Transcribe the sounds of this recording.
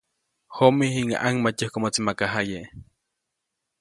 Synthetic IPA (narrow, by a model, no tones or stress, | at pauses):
homihiŋa̰ʔaŋmat͡ʃohkomot͡simakaɦajeʔ